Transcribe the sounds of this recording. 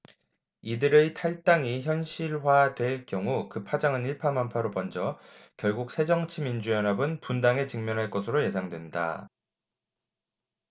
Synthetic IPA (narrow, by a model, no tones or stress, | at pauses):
idɯɾetʰaɭt͈aŋiçjʌnɕʰiɭwadwe̞ɭk͈jʌŋukɯpʰad͡ʑaŋɯniɭpʰamampʰaɾopʌnd͡ʑʌkjʌɭɡuk̚sʰe̞d͡ʑʌŋt͡ɕʰimind͡ʑujʌnɦabɯnpundaŋe̞t͡ɕɯŋmjʌnɦaɭk͈ʌsʰɯɾoje̞sʰaŋdwe̞nda̰